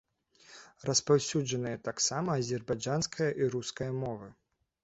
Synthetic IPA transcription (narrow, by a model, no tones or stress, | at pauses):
rɐspawsʲud͡ʐɐnɨjɐt̪aksamɐːzʲɛrbad͡ʐanskʰɐjɐʔiɾuskɐjɐmɔvɨ